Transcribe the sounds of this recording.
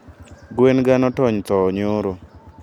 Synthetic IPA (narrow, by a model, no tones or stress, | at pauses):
ɡwenɡanɔtɔɲt̪ɔːɲoɾo